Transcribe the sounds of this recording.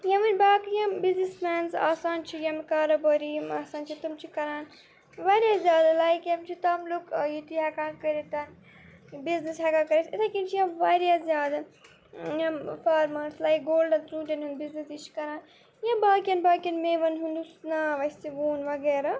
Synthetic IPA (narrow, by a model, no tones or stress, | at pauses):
jɐʋɐnʲbaːkjɐ̃mbiznismaːnza̰ːsaːnt͡ʃʰijɐmikaːɾɐbɐːɾimaːsaːnt͡ʃʰit̪umt͡ʃʰikɐɾaːn | ʋaɾʲjazʲjaːd̪ɐlaːjkjɐmt͡ʃʰit̪ɐmlukjit̪iɦɛkãːkɐɾet̪ɐn | biznisɦɛkakɐɾesit̪ʰɐkint͡ʃʰijɐmʋɐːɾjazʲjaːd̪ɐ | jɐmfaːɾmɐɾslaːjk̚ɡoːlɖɐnt͡sũːt̪ɐnɦũnd̪biznisit͡ʃʰi̥kɐɾaːn | jɐ̃baːkjɐnbaːkɐnmeʋɐnɦund̪usnaʋɐsʲt̪iʋuːnʋɐɡeːɾa